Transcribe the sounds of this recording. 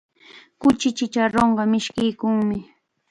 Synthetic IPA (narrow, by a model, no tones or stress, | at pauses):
kʊt͡ʃɪt͡ʃɪt͡ʃaɾoɴɢɑmɪʃkɪjkʊŋmɪ